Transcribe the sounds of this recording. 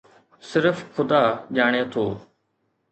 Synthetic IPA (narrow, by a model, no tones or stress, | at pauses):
sɪɾəfxʊd̪aːʄaːɽ̃et̪ʰoː